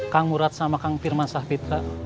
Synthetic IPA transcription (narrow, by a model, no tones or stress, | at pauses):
kaŋmuɾat̪̚samakaŋfirmansahpit̪ɾa